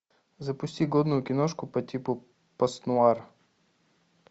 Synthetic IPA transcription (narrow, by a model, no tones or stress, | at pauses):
zɐpʊsʲt̪ʲiɡɔd̪nʊjʊkʲinɔʃkʊpɐt̪ʲipʊ | pɐst̪nʊaɾ